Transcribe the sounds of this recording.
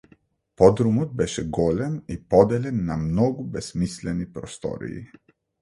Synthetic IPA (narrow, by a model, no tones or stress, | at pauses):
pɔd̪ɾumɔt̪̚bɛʃɛɡɔlʲɛnipɔd̪ɛlʲɛnːamnɔɡubɛsmislɛnipɾɔst̪ɔ̰ɾḭḭ